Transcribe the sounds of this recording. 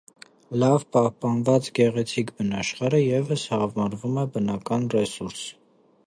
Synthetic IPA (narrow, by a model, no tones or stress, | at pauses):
lɑvpɑhpɑnvɑt͡sɡɛʁɛt͡sʰikbənɑʃχɑɾəjɛvəshɑvmɑɾvumɛbənɑkɑnrɛsuɾs